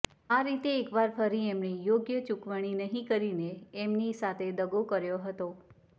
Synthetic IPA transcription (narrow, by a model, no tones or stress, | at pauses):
aɾit̪eːkʋaɾfəɾiemnijoɡjət͡ʃukʋəɽ̃inəɦĩkəɾineːmnisat̪ʰed̪əɡokəɾjoɦət̪o